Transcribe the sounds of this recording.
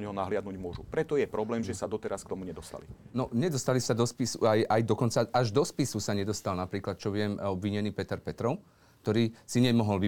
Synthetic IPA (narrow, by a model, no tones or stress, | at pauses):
ɲɦɔnaɦlɪad̪nuɟmʊɔʒupɾɛt̪ɔjɛpɾɔblɛːmʒɛsad̪ɔt̪ɛɾaskt̪ɔmuɲɛd̪ɔst̪a̰linɔɲɛd̪ɔst̪alisad̪ɔspisuajajd̪ɔkɔnt͡saʔaʒd̪ɔspisusaɲɛd̪ɔst̪alnapɾiːklat̪t͡ʃɔʋɪɛmɔbʋiɲɛniːpɛt̪ɛɾpɛt̪ɾɔʊ | k̚t̪ɔɾiːsiɲɪɛmɔɦɔlʋi